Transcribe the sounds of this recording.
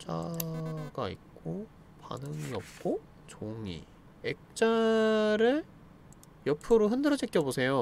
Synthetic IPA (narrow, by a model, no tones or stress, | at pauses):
t͡ɕ͈a̰ | ɡaḭk̚k͈o | pa̰nɯŋiʌp̚k͈o | t͡ɕoŋḭ | ek̚t͡ɕ͈aɾɯɭ | jʌpʰɯɾoɦɯndɯɾʌd͡ʑʰik͈jʌbosʰe̞jo